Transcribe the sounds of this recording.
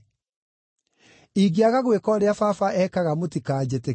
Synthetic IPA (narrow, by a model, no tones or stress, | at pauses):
iːɣiaɣaɣwekɔːɾeafafaʔɛːkaɣamotikaːd͡ʑete